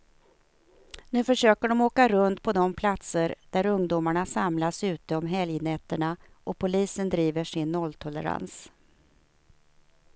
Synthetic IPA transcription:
nʉ̟ːfœʂøːkəɖɔmoːkaɾɵnt̪pʰɔd̪ɔmpʰlat̪səɾd̪̥æɾɵŋd̪uːmaɳasamlasʉ̟ːt̪əɔmɦɛljnɛt̪ːəɳa | ʔɔpʰʊliːsənd̪ɾiːvəʂɪnːɔlt̪ʰɔlə̰ɾa̰ns

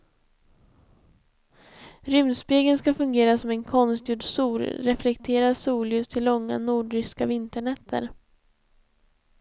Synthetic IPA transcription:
ɾʏmd̪speːɡənskafɵŋɡeːɾasɔmɛnkʰɔnst̪juɖsuːɾɾɛflɛkt̪ʰeːɾasuːljɵst̪ʰɪlːɔŋːa̰nuːɖɾʏskavɪnt̪əɳɛt̪ʰːə̰ɾ

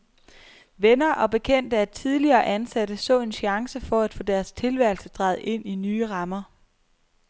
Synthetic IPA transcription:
ʋenɐʔɒ̽b̥e̝kʰen̰d̥əæ̥t͡sʰið̞ˠliɐːʔænsæd̥əsɔ̰̽ːe̝nɕɑ̈ŋsəfɒ̽æd̥fɔ̰̽ːd̥æɐst͡sʰe̝lʋæɐl̩səd̥ʁɑ̈ɪð̩ˠʔe̝n̰inyːʁɑ̈mɐ

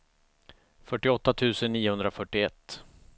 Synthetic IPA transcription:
fœʈːɪɔt̪ːat̪ʰʉ̟ːsənːiːʊhɵnd̪ɾafœʈːɪɛt̪ː

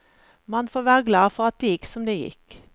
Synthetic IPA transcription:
mɑnfoːʋæːʁəɡlɑːfɔʁɑt̪̚d̪̥eːjɪksɔmd̪eːjɪ̰k

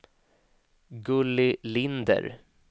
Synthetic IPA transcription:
ɡɵlːɪlɪnd̪ə̰ɾ

